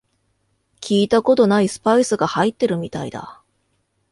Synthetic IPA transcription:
kʲʰiːt̪ako̞t̪o̞naisɨ̥paisɨɡahait̪ːe̞ɾɯ̟mʲit̪aid̪a̰

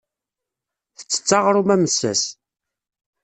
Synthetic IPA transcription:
θə̥t͡sːə̥t͡sːɑʁɾˤumæməsːæ̰s

